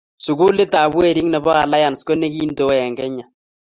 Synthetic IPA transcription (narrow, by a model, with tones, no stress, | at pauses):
sʊ˨ku˦lɪ˦ta˨βwɛ˦˨ɾi˦ŋnɛ˨βɔ˦a˨la˦ja˨nsko˦ne˦ki˦ndo˨˦ɛ˨ŋɡɛ˦ɲa˨